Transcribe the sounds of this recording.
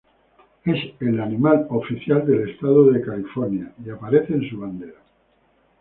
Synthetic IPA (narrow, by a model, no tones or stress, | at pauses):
e̞selanimalo̞fiθjald̪e̞le̞st̪aðoðe̞kalifoɾnjaiapaɾe̞θeːnsuβ̞and̪e̞ɾa